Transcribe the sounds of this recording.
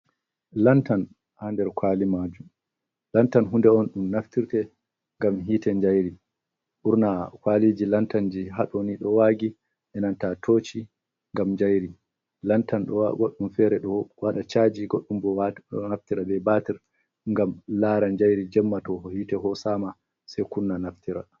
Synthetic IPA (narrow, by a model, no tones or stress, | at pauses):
lantan | handɛɾkwalimad͡ʒum | lantanɦundɛɔnɗumnaftiɾtɛ | ŋɡamɦiːtɛɲd͡ʒajɾi | ɓuɾnakwalid͡ʒilantand͡ʒiɦaɗɔniɗɔwaːɡi | ʔɛnantatʰoːt͡ʃi | ŋɡamɲd͡ʒajɾi | lantanɗɡoɗːumfɛɾɛɗɔwaɗat͡ʃad͡ʒiɡoɗːumbɔnaftiɾabɛbatiɾ | ŋɡamlaːɾaɲd͡ʒajɾid͡ʒɛmːatɔɔhiːtɛɦɔsama | sɛjkunnanaftiɾa̰